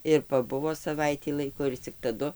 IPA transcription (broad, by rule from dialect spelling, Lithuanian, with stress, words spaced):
ɪr pɐˈbʊʋoː sɐˈʋɐɪtʲiː ˈlˠɐɪkoː ɪr t͡sʲɪk tɐˈdʊ